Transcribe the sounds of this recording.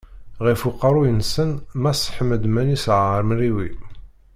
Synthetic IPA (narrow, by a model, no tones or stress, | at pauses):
ʁifuqːɑɾˤujənsənmæsˤħməd̪mænisʕɾmriwi